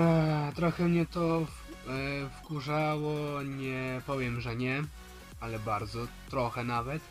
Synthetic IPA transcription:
t̪ɾɔxɛmɲɛt̪ɔ | fkuʐawɔɲɛpɔvʲjɛmʐɛɲɛ | alɛbaɾd̪zɔt̪ɾɔxɛnavɛt̪

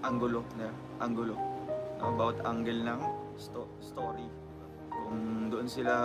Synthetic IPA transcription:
ʔaŋɡʊlonɛ | ʔaŋɡʊloʔɐbawt̪ʔaŋɡɛlnɐŋ | st̪o | st̪oːɾi | kʊŋd̪oʔonsɪla

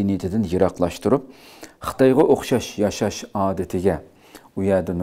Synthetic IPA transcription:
init̪ʰɪd̪ɪnjɨɾɑqlˠɑʃt̪uɾup̚ | χə̥t̪ɑjʁɑʔoχʃɑʃjɑʃɑʃɑːd̪ɪt̪ʰɪɡʲɛ | ujɛd̪ɪn

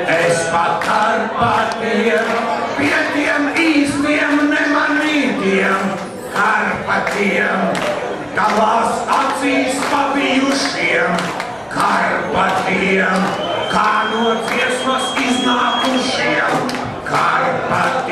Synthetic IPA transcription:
ɛspakaɾpat̪ijiɛm | piɛt̪iɛmiːsliɛmnɛmaniːd̪iɛm | kʰaɾpat̪ijɛm | t̪alˠaːsat̪siːspabijuʃiɛm | kʰaɾpat̪iɛm | kaːnuɔt̪iɛsmasiznaːkuʃiɛm | kʰaɾpat̪

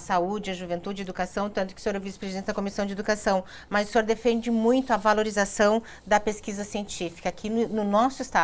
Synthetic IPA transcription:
saud͡ʒɪɐʒuvẽnt̪ud͡ʒɪed̪ukasɐ̃w̃t̪ɐ̃nt̪ʊkɪ̥ʊsẽoɾovisɪ̥pɾezidẽnɪd̪ɐkomisɐ̃w̃d͡ʒɪed̪ukasɐ̃w̃ | mɐzʊsẽoɾd̪efẽnd͡ʒɪmũj̃t̪ʊɐvaloɾizasɐ̃w̃ | d̪ɐpeskizɐsiẽnt͡ʃifi̥kɐakʰinʊnʊnɔsʊɪst̪a

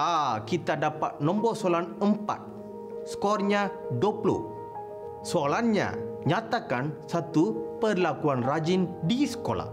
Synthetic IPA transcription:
akit̪adapa̰t̪̚nɔ̃mbɔsoalanəmpa̰t̪̚ | skɔrɲaduoplɔ̰ | soalanɲa̰ɲat̪akansat̪upərlakuanrad͡ʒindisə̥kola̰

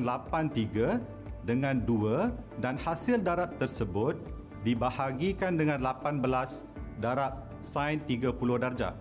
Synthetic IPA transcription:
nlapant̪iɡə | dəŋãnduədanhasɪldaɾap̚t̪ərsəbʊt̪̚ | dibahaɡikandəŋãnlapanbəlas | daɾap̚ | sãjnt̪iɡapulʊhdard͡ʒa̰

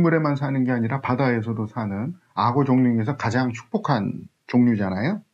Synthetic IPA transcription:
muɾe̞mansʰanɯnɡeaɲiɾapadae̞s̬ʰʌdosʰanɯn | aɡod͡ʑoŋɲuŋe̞s̬ʰʌkad͡ʑaŋt͡ɕʰu̥k̚p͈okʰan | t͡ɕoŋɲud͡ʑanajo

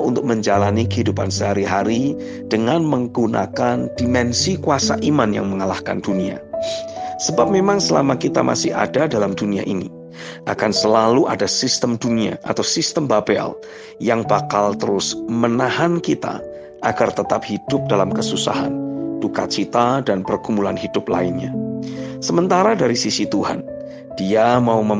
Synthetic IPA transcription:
unt̪ʊk̚məɲd͡ʒalanikəɦidupansəɦaɾiɦaɾi | d̥əŋanməŋɡuna̰kandimɛnsikuasaʔimanja̰ŋməŋalahka̰ndunia̰ | səbap̚memaŋsəla̰makit̪a̰mʔa̰sɪha̰dadalamdunia̰ʔinḭ | ʔakansəlaluʔadasist̪əmdunia̰ʔat̪awsist̪əmbabɛ̰l | jaŋbakalt̪əɾʊsmənaɦankit̪a̰ | ʔaɡart̪ət̪ap̚hid̥ʊp̚dalamkəsusa̰ɦa̰nd̥uka̰t͡ʃit̪adanpərɡumbulanhidʊpla̰ɪnɲa | səmənt̪aɾadaɾisisit̪uha̰n | d̥iamaumə

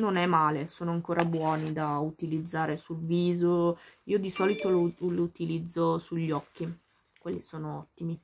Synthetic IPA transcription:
nonɛmaːlesoːnoaŋkoːɾʔabwɔːnid̪aut̪ilid̪zːaːɾesulviːzoiːod̪isɔːlit̪ololout̪ilid̪zːosuʎːɔkʰːi | kwelːisoːnoɔt̪ːimi

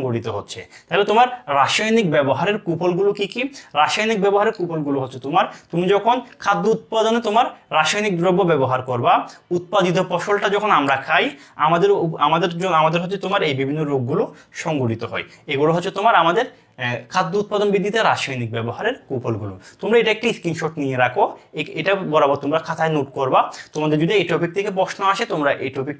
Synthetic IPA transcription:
ɔŋɡoɽit̪oɦotːɕʰḛt̪aɦlet̪omaɾːaʃajnikbɛboɦaɾeɾkupolɡulokikiɾaʃajnik̚bɛboɦaɾeɾkupolɡuloɦotːɕʰet̪omaɾt̪umid͡ʑɔkʰonkʰad̪ːout̪̚pad̪onet̪omaɾːaʃajnik̚d̪ɾobːobɛboɦaɾkoɾbaut̪̚pad̪it̪̬opɔʃolʈad͡ʑɔkʰonamɾakʰajamad̪eɾamad̪eɾoamad̪eɾɦotːt͡ɕʰet̪omaɾejbibʱinːoɾoɡːulo | ʃɔŋɡoɖit̪oɦɔ̰e | eɡuloɦɔt͡ɕʰet̪omaɾamad̪eɾ | kʰad̪ːout̪̚pad̪onbid̪ːit̪aɾaʃɔjnik̚bɛboɦaɾeɾkupolɡulut̪omɾaeʈaek̚ʈiiskɾinʃoɾʈnijeɾakʰoeeʈabɔɾabɔɾt̪omɾakʰat̪ʰaenoʈkoɾbat̪omad̪eɾd͡ʑod̪ieʈɾopik̚t̪ʰekepɾɔʃnoaʃet̪omɾaʔeʈopik̚

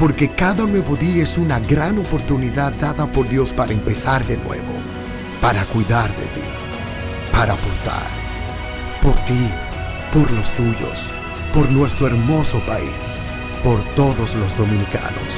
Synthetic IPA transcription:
po̞ɾke̞kaðanwe̞βo̞ðiaesunaɣɾano̞po̞ɾt̪uniðad̪ːaðapo̞ɾðjo̞spaɾaempe̞saɾðe̞nwe̞̰βo̞̰ | paɾakwiðaɾðe̞̰t̪ḭ | paɾaːpoɾt̪a̰ɾ | po̞ɾt̪i | po̞ɾlo̞st̪uʝo̞̰s | po̞ɾnwe̞st̪ɾoeɾmo̞so̞paḭs | po̞ɾt̪o̞ðo̞slo̞zðo̞mĩnika̰no̰s

